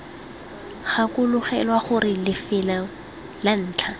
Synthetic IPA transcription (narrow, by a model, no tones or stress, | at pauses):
χakʼʊlʊχɛlwaχʊrɪlɪfɪla | lan̩ːt͡ɬʰa